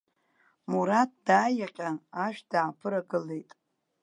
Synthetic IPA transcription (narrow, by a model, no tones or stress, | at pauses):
muɾat̚ʰd̥aːjaqʲʼaaʃᶣd̥aːpʰɨɾaɡɨle̞jtʼ